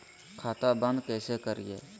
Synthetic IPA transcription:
kʰaːt̪abə̃nd̪kɛːsekəɾḭjḛː

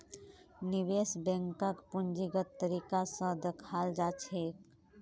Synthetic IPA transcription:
nibesbɛ̃ŋkəkpund͡ʒiɡət̪ːəɾikasə̃d̪ekʰald͡ʒat͡ʃʰek

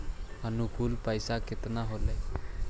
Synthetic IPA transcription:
ənukuːlpəjsaket̪naɦole

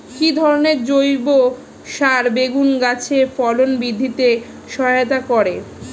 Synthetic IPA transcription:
kid̪ʱɔɾoneɾd͡ʑojbo | ʃaɾbeɡunɡat͡ɕʰefɔlonbid̪ʱːit̪e | ʃɔɦeot̪̬akɔɾe

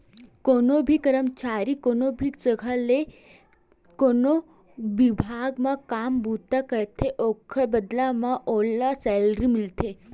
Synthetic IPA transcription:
konobʱikəɾəmt͡ʃaɾikonobʱiksəɡʱale | kono | ʋibʱaɡmãkambut̪ːakəɾt̪ʰeʔokʰəbəd̪lamãʔolːasɛlɾimɪlt̪ʰe

